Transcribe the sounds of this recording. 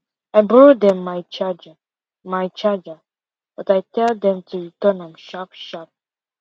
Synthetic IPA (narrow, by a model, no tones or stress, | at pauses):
aɪbɹɔd̪ɛ̃mːajt͡ʃad͡ʒə | majt͡ʃad͡ʒə | b̥ʌtajtɛld̪ɛ̃mtʰuɹitənãmʃapʃap̚